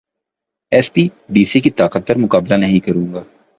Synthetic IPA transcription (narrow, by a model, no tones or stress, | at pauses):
ɛːspiːɖiːsikit̪aːkət̪̚pɐɾmʊkaːblanəɦĩkəɾũːŋɡaː